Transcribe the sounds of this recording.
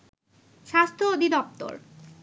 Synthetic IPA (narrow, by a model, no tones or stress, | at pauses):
ʃast̪ʰood̪ʱid̪ɔp̚t̪o̰ɾ